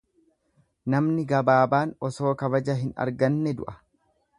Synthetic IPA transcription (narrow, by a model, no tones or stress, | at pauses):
nɐmnɪɡɐbaːbaːnɔso̞ːkɐβɐd͡ʒɐɦɪnɐ̰ɾɡɐnːɛd̪ʊ̰ʔɐ̥